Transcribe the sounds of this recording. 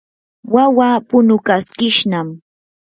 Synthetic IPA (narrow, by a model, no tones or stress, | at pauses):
wawaːpʊnʊkaskɪʃnam